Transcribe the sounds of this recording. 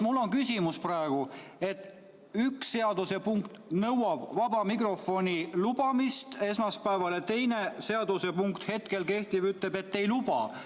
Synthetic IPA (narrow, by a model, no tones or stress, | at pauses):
mulːo̞nkysʲimusprɑeɡ̥ue̞t̪ːˑ | yksːe̞ɑd̪use̞puŋkt̪nɤwɑb̥vɑbɑmikro̞fo̞nʲilubɑmist̪e̞s̬mɑspæevɑlet̪e̞jne̞se̞ɑd̪use̞puŋkt̪he̞t̪ke̞lke̞ht̪ivyt̪ːˑle̞be̞t̪ːe̞jlub̥ɑ̰